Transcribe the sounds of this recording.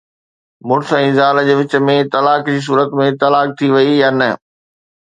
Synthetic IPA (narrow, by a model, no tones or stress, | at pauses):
mʊɾsɛ̃zaːld͡ʑeːʋɪt͡ɕə̆mẽt̪ɐlaːkd͡ʑiːs̬uːɾət̪mẽt̪ɐlaːk̚t̪ʰiʋɐijanə